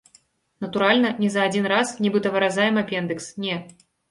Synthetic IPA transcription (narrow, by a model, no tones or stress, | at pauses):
nɐt̪uɾalʲnɐnʲɛzɐːd͡zʲinrasnʲibɨt̪ɐvɨɾazajɛmɐpʲɛnd̪ɨksnʲɛ